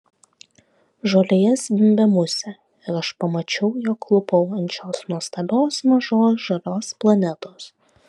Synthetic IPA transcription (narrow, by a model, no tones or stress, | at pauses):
ʒoːlʲejɛsd̪ʲɪmʲbʲɛmʊsʲɛ | ɪɾɐʃpɐmɐt͡ʃʲɛʊjoːkːlˠʊpɐʊɐnʲt͡ʃʲoːsnuɔst̪ɐbʲoːsmɐʒoːsʒɐlʲoːsplˠɐnʲɛt̪oːs